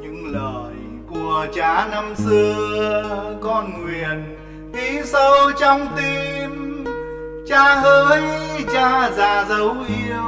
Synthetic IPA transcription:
ɲɨ̰˧ŋləː˧˨˩j | ku˨˩ət͡ɕaː˨˦na˧msɨ˧ə | kɔ˧nŋwi˨˩ən | ʔi˨˦sə˧wt͡ɕɔ˧wŋ͡mt̪i˧m | t͡ɕaː˧˦həː˧˦jt͡ɕaː˧zaː˨˩zə˨˦wʔi˧əw

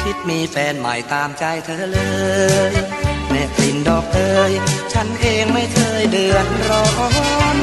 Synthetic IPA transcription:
kʰi˦˥t̪̚miː˧fɛː˧nma̰˨˩jt̪aː˧mt͡ɕa˧jt̪ʰɤː˧˥˩lɤː˧jlɛː˧˩kli˨˩ndɔː˨˩k̚lɤː˧jt͡ɕʰa˦˥nʔeː˧ŋma˥˩jk̪ʰɤː˧jdɯ˨˧˩ənɾɔː˧˦˥n

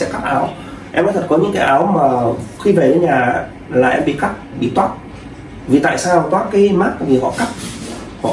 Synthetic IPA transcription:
sɛ̰˧˥ka˦˥p̚ʔaː˨˦w | ʔɛ˧mna˧˦t̪ʰt̚kɔ˨˦ɲɨ̰˧˥ŋkaː˨˦jʔaː˨˦wmaː˨˩xi˧ve˨˩ɾe˨˦ɲaː˨˩ | laː˨˩ʔɛ˧mɓḭ˧˨ka˦˥p̚ɓḭ˧˨t̪waː˦˥t̚ | vi˨˩t̪a̰ː˧˨jsaː˧˨t̪waː˦˥t̚kaː˨˦jmaː˦˥t̚ʔa̰ː˧˨˦vi˨˩hɔ̰˧˨ka˦˥p̚ | hɔ̰˧˨

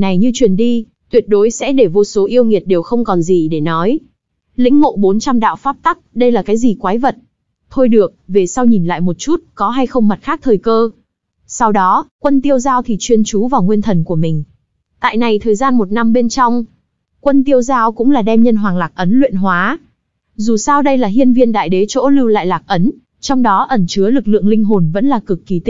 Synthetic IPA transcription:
na˨˩jɲɨ˧t͡ɕwi˨˩ənɗi˧ | t̪wi˨˩ət̚ɗo˨˦jsɛ̰˧˥ɗe˧˩vo˧so˨˦ʔi˧əwŋi˨˩ət̚ɗe˨˩wxə˧wŋ͡mkɔ˨˩nzi˨˩ɗe˧˩nɔ˨˦j | lḭ̈˧˥ŋ̟ːo̰˧˨ɓo˨˦nt͡ɕa˧mɗa̰ː˧˨wfaː˦˥p̚t̪a˦˥k̚ɗə˧jlaː˨˩kaː˨˦jzi˨˩kwaː˨˦jvə˨˩t̚ | t̪ʰo˧jɗɨ˨˩ək̚ve˨˩sa˧wɲi˨˩nla̰ː˧˨jmo˨˩t̚t͡ɕu˦˥t̚kɔ˨˦ɦa˧jxə˧wŋ͡mma˨˩t̚xaː˦˥k̚t̪ʰəː˨˩jkəː˧ | sa˧wɗɔ˨˦kwə˧nt̪i˧əwzaː˧wt̪ʰi˨˩t͡ɕwi˧ənt͡ɕu˨˦vaː˨˩wŋwi˧ənt̪ʰə˨˩nku˧˩əmï˨˩ŋ̟ | t̪a̰ː˧˨jna˨˩jt̪ʰəː˨˩jzaː˧nmo˨˩t̚na˧mɓe˧nt͡ɕɔ˧wŋ͡m | kwə˧nt̪i˧əwzaː˧wkʊ̰˧˥ŋ͡mlaː˨˩ɗɛ˧mɲə˧nɦwaː˨˩ŋlaː˨˩k̚ʔə˨˦nlwḭ˧˨ənɦwaː˨˦ | zu˨˩saː˧wɗə˧jlaː˨˩ɦi˧ənvi˧ənɗa̰ː˧˨jɗe˨˦t͡ɕo̰˧˥lɨ˧wla̰ː˧˨jlaː˨˩k̚ʔə˨˦n | t͡ɕɔ˧wŋ͡mɗɔ˨˦ʔə˧˩nt͡ɕɨ˨˦əlɨ˨˩k̚lɨ̰˧˨əŋlï˧ŋ̟ɦo˨˩nvə̰˧˥nlaː˨˩kɨ˨˩kːi˨˩t̪i˦

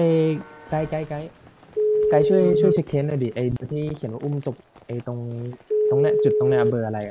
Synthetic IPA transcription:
ka˧jka˧jka˧jka˧j | ka˧˩jt͡ɕʰu˥˩əjt͡ɕʰu˥˨jt͡ɕʰe˦˥kʰːeː˦˥nːa˧˩diː˨˩ʔa˧jdɯ˧t̪ʰiː˥˩kʰi˩˦nwaː˧ʔu˧˥˩mt̪o˨˩p̚ʔa˧jt̪o˧ŋt̪o˧ŋnɛ˦˥t͡ɕu˨˩t̪̚ːɔ˥˧˩ŋnɛ˦˥˩ʔa˧bɤː˧˩ʔa˧la˧jʔa˧˩

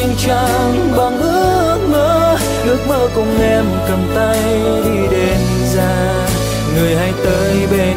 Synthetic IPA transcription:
ŋt͡ɕa˧˩ | ŋ | ɓa˨˩ŋʔɨ˧˥ə | k̚məː˧˦ | ʔɨ˦˥ək̚məː˧˩kʊ˧˩ŋ͡mʔɛ˧mkə˨˩mt̪a˧j | ɗ̪i˧˩ɗe˨˦n | zaː˧ | ŋɨ˨˩əjha˧jt̪əː˨˦jɓe˧˩

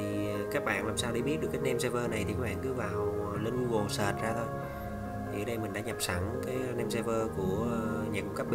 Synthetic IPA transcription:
i˨˩kaː˦˥k̚ɓa̰ː˧˨nlaː˨˩msaː˧wɗə˧˦ɓi˦˥t̚ɗɨ˨˩əkːaː˨˦nɛ˧mse˧vəː˧na˨˩jt̪ʰi˨˩kaː˦˥ɓa̰ː˧˨ŋkɨ˨˦vaː˨˩w | lə˧nɲ˧ɣo˨˩səː˨˩t̚zaː˧t̪ʰo˧j | t̪ʰi˨˩ə˨˦ɗə˧jmï˨˩ŋ̟ɗa̰ː˧˥ɲa˨˩p̚sa˨˧˩ŋkaː˨˦jne˧mse˧vəː˧ku˧˩əɲaː˨˩ku˧ŋ͡mka˦˥p̚ɓ

